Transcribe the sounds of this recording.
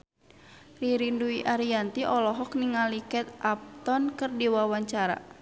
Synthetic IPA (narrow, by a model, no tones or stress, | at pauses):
riɾinduiʔaɾiant̪iʔɔlɔɦɔkniŋalikɛt̪ʔap̚t̪ɔnkɨrdiwawaɲt͡ʃaɾa̰